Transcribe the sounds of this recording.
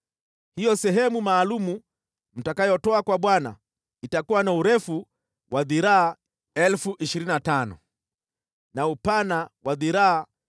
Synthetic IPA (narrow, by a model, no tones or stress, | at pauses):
hijɔsɛɦɛmumaːlumu | m̩takajɔtɔakwaɓwana̰ | itakuwanauɾɛfu | wʔaðiɾaː | ɛlfuʔiʃiɾininatanɔ̰ | naupanawaðiɾaː